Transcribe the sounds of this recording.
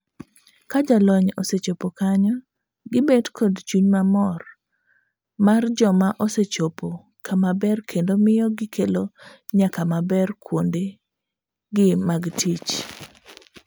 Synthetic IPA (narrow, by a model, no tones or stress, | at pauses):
kad͡ʒalɔɲɔset͡ʃopokaɲɔ | ɡɪbedkʰɔdt͡ʃuɲmamɔr | mard͡ʒɔmaʔɔset͡ʃopo | kʰamabɛrkʰendomɪjɔɡɪkʰeloɲakamabɛrkwonde | ɡɪmaɡtʰit͡ʃ